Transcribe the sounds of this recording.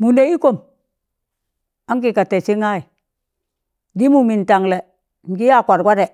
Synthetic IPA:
mu˨ne˨˦i˦ko˨n | a˦ŋki˨ka˨tɛ˨t͡ʃi˦ŋa˦i˨ | di˦mu˨mi˨n˨ta˨ŋlɛ˨ | ŋ̩˨ki˦ja˦˨kʷa˨ɾɡʷa˦ɾɛ˨

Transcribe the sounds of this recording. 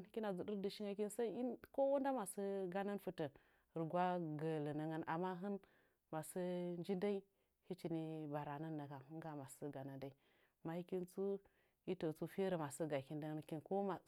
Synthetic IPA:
ki˦na˨zu˨ɗi˦ɾdi˨ʃi˦ŋa˦ki˦nsa˦i˦i˦ko˦u˦nda˦ma˨sə˦ɡa˦na˦nfu˦tə˨ | ɾi˨ɡʷwa˦ɡə˨lə˨nə˦ŋa˦na˨ma˦ɦɨ˦n | ma˨sə˦nd͡ʒi˦nda˦i˦ | hi˦t͡ʃi˨ni˦ba˨ɾa˨nə˦nːa˨ɡa˨hu˦ŋɡa˨ma˨sə˦ɡa˨na˨nda˦i˦˨ | ma˨hi˦ki˦nt͡su˦ | i˦to˨t͡su˦fi˦ɾi˨ma˨sə˦ɡa˨ki˦nda˦ŋa˦nki˦nko˦ma˨

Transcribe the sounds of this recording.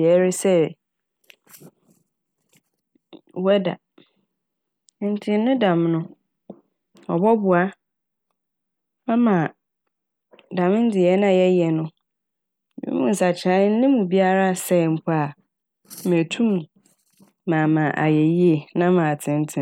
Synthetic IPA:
ɛ˨˦ɾɪ˦sɛ˦ | wɛ˦da̰˨˦ | n̩˨tʰɪ̃˦nʊ̃˦dã˨mnʊ̃˦ | ɔ̰˨bɔ˦bʊ˨a˦ | mã˦mã˨ | dã˨mɪ̃˦n̩˦dɪ˨jɛ˦nã˦˨jɛ˦jɛ˨nʊ̃˦˨ | ḭ̃˦mũ˨n̩˨sa˨t͡ɕʰɪ˨ã˦n̩˦nɪ̃˦mũ˨bi˦a˦ɾa˦˨sɛ˨m̩˨pʰʊ˦a˨ | m˨æ˨tʰũ˦m˨ | ã˨mã˨ʔa̰˨jɛ˨ji˦e˨nã˦mã˨tʰɪ̃˨n˦tʰɪ̃˦

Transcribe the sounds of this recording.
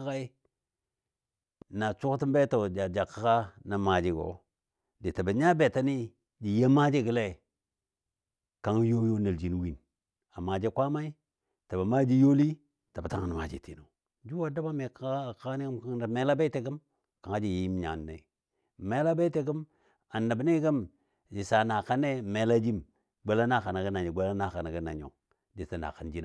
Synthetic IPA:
a˦ka˦i˦ | na˨t͡ʃu˦kti˦mbe˦to˨d͡ʒa˨d͡ʒa˨kːa˦ka˦na˨ma˨d͡ʒi˦ɡo̰˨ | di˨ta˨ba˨ɲa˦be˨ta˦ni˦ | d͡ʒi˨je˦ma˦d͡ʒi˦ɡə˨le˦˨ | ka˨˦ŋ˦jo˦jo˦na˨ld͡ʒi˨n˦wi˦˨n | a˨ma˨d͡ʒe˦kʷa˦ma˦i˦ | ta˨ba˨ma˦d͡ʒi˦jo˦li˦ | ta˨ba˨ta˦ŋa˨n˨ma̰˨d͡ʒḛ˨tʰe˨no˨ | d͡ʒu˦wa˨da˦ba˦me˨ka˦˨ka˦ni˦ɡi˦mka˦ŋ˦a˨me˦la˦be˦te˨ɡə˦m | ka˨ŋa˦d͡ʒi˦˨je˨˦ji˦m˦ɲa̰˨nː˨ḛ˨ | me˦la˦be˦te˨˦ɡi˦m | a˨nːa˨bne˦ɡə˦m | d͡ʒi˨sa˨na˨ka˦ne˦me˨la˦d͡ʒi˦m | ɡ͡be˦la˦na˦ka˨na˨ɡə˦na˨ɲo˨ɡ͡be˦la˦na˨ka˨n˨ɡə˦na˨ɲo̰˨ | di˨sa˦na̰˨ka˨nd͡ʒi˦n˨

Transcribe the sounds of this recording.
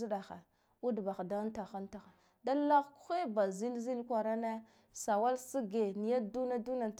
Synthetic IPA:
i˦ɗa˨xa̰˨ | u˦dba˨xda˦n˦ta˨xa˦nta˨xa˨ | da˦la˦ɣku̥˦xe˦ba˨zi˦lzi˦lkʷa˨ɾa˦na˦ | sa˨wa˦lsi˦ɡe˨ni˨ja˦du˦na˦du˦na˨

